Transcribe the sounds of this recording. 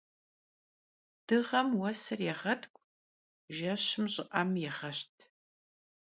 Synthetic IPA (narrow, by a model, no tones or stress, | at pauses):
d̥ɨʁɐmwɐsɐrjɛʁɐtʰkʷʼ | ʒɐɕɪmɕʼɪʔɐmjɛʁɐɕtʰ